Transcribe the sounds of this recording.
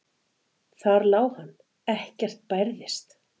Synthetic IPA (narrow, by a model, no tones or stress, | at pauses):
θaɾlaːwhanː | ɛhcɛr̥t̪̚pajɾðɪst̪